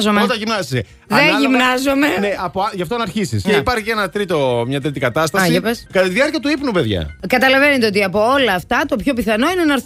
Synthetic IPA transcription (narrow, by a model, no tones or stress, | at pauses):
zomet̪ɐʝimnɐsise | ðeʝimnɐzomene̞ɐpoɐʝɐft̪oɐnɐɾçisḭsceipɐɾçienɐt̪ɾit̪o̞mɲɐt̪ɾit̪ikɐt̪ɐst̪ɐsipeskɐt̪ɐt̪iðiɐɾciɐt̪uipnupe̞ðʝɐ̰kɐt̪ɐlɐve̞net̪eo̞t̪iɐpo̞o̞lɐːft̪ɐt̪o̞pço̞piθɐno̞inenɐɾ